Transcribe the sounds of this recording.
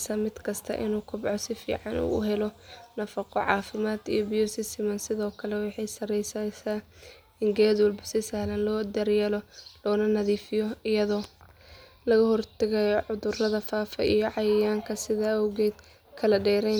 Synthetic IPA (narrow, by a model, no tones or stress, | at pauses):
sɐmɪd̪kʰɐst̪ʰɐ̰ʔɪ̰nuːkʰʊbʕɔsɪfḭːʕɑnṵːʊɦɛlɔnɐfɐqɔʕɑ̰ːfɪmaːd̪ijɔbɪjɔsɪst̪ʰɪmɐnsɪðɔːkʰɐlɛwɑħɑjsɐrɛjsɐsaː | ɪŋɡɛːd̪wɐlbɐsɪsɐhlɐnlɔːd̪ɐrjalɔlɔːnɐnɐðiːfɪjɔɪjɐðɔː | lɐɣɐɦɔrt̪ʰɐɣɐjɔʕʊðʊrɐðɐfaːfɐ̰ʔijɔʕɑjɐjaːŋkʰɐsɪðaːɐwɣɛːd̪ | kʰɐlɐɖɛːɾɛ